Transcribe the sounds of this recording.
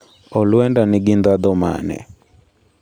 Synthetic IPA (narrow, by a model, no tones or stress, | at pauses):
ɔlwɛndanɪɡɪnd̪ad̪ɔma̰nɛ̰